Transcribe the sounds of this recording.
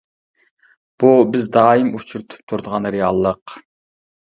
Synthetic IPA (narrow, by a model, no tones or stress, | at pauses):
b̥ubɪzd̪ɑːimut͡ʃʰuɾt̪ʰu̥p̚t̪ʰuɾd̪əʁɑnɾejɑ̰lˠːəq